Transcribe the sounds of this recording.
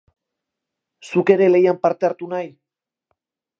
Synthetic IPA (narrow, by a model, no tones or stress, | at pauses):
suke̞ɾe̞le̞jampaɾt̪e̞aɾt̪unaj